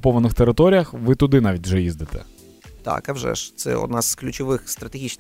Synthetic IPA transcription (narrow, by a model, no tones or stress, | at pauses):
pɔʋɐnɪxt̪eɾɪt̪ɔɾʲijɐxʋɪt̪ʊd̪ɪnaʋʲitʲwʒɛjizd̪ɪt̪ɛ̰ | t̪a̰kɐwʒɛ̰ʃt̪sɛ̰ɔ̰d̪nɑz̥klʲʊt͡ʃʊʋɪxst̪ɾɐt̪eɣʲit͡ʃn